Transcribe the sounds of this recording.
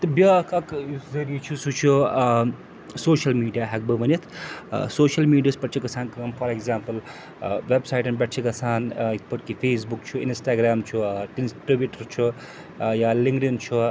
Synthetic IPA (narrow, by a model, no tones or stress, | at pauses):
t̪ɐbjɐkɐkjuzɐɾit͡ʃʰusut͡ʃʰu | soːʃɐlmiːɖijaːɦɐk̚bɐʋɐnɐt̪ʰsoːʃɐlmiːɖijaːspɐʈt͡ʃʰikɐsʰaːnkɐɐmfʰɐɾeɡzaːmpɐl | ʋebsajʈɐnbɐʈt͡ʃʰikɐsʰaːnikpɐʈkipʰeːsbukt͡ʃʰuinsʈaːɡɾaːmt͡ʃʰuʈinʈɾibjuʈɐɾt͡ʃʰu | jaːliŋɡʈint͡ʃʰu